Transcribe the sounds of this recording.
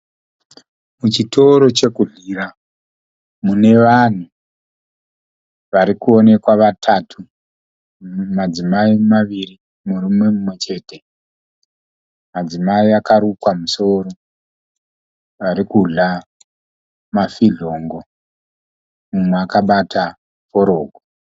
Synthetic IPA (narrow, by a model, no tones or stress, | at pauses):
mut͡ʃito̞ɾo̞t͡ʃe̞kuɮira | mune̞ʋan̤u | ʋaɾikuo̞ne̞kwaʋatʰatʰu | mad͡zimaimaʋiri | murume̞mumwe̞t͡ʃe̞ːte̞ | mad͡zimaiakaɾukwamuso̞ɾo̞ | ʋaɾikuɮa | mafiɮo̞ŋɡo̞ | mumweakaɓatʰa | po̞ɾo̞ːɡʱo